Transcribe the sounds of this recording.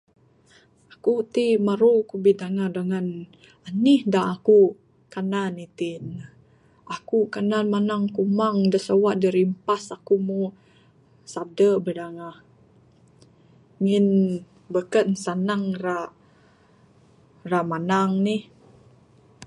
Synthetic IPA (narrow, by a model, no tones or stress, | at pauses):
akut̪imaɾukubidaŋahdəŋan | anihdaʔaku | kananit̪in | akukananmanaŋkumaŋdəsəwaʔdəɾimpasakumu | sadəbədaŋah | ŋin | bəkənsanaŋra | raʔmanaŋnih